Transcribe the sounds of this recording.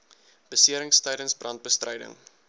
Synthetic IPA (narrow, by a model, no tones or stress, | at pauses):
b̥əsiəɾəŋstəjɾənsbrɐnt̚bəstrɛjdə̰ŋ